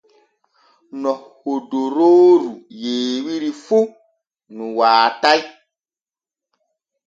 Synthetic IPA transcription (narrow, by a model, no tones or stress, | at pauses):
nɔhodoɾoːɾujeːwiɾifu | nũwaːtai